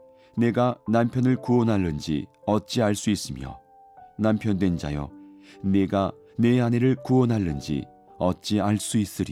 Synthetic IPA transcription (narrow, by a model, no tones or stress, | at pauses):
ne̞ɡanampʰjʌnɯɭkuʌnɦaɭːɯnd͡ʑḭʌt̚t͡ɕ͈iaɭs͈uis͈ɯmjʌ̰ | nampʰjʌndwe̞nd͡ʑa̰jʌ̰ne̞ɡa | ne̞ane̞ɾɯɭkuwʌnɦaɭːɯnd͡ʑḭ | ʌt̚t͡ɕ͈iaɭs͈uis͈ɯɾḭ